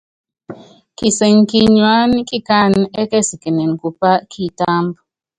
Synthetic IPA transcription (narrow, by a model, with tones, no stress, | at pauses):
ki˨sɛ˨ŋ˨ki˦ɲwa˦nki˦˨ka˦˨nɛ˦kɛ˦˨si˨kɛ˨nɛ˨n˨ku˨pa˦kʰi˦˨ta˦mb